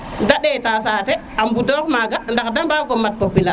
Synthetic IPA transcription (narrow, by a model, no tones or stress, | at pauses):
ndaɗetaːsaːte | ambudoːkmaɡandakdambaɡomat̚popila